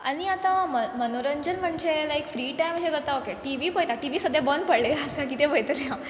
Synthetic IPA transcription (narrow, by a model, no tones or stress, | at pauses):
aɽ̃iat̪ãməmənoɾəɲd͡ʑənm̤əɳd͡zelajkfɾiːʈajm̤əd͡ʑekəɾt̪aokeʈiʋipəjt̪aʈiʋisəd̪ʱjabənpəɽleasakit̪epəjt̪leã